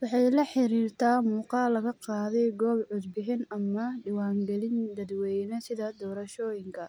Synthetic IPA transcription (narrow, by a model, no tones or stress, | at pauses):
wɑħɑjlɐħɪɾiːrt̪ʰaːmuːqɑlɐɣɐqɑːðɛjɡɔːbʕʊd̪bɪħɪnɐmɐɖɪwɑːŋɡɛlɪnd̪ɐd̪wɛjnɔsɪðɐd̪ɔːɾɐʃɔːjɪŋkʰɐ